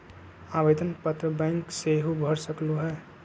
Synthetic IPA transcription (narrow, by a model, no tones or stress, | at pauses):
abed̪ənpət̪ɾəbɛ̃ŋkseɦubʱəɾsəkluɦɛː